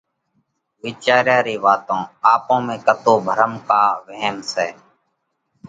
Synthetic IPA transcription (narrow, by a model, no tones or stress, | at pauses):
ʋiːt͡ʃaːɾjaːɾiːʋaːt̪õːaːpõːmẽːkət̪oːbʱəɾəmkaːʋəɦmsɛː